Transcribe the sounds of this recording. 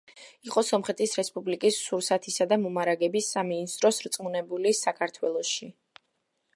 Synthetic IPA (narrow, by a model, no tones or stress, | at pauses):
iqʼɔsɔmχɛt̪ʰisɾɛspʼublikʼisːuɾsat̪ʰisad̪amɔmaɾaɡɛbisaminist̪ʼɾɔsɾt̪sʼmunɛbulisakʰaɾt̪ʰwɛlˠɔʃi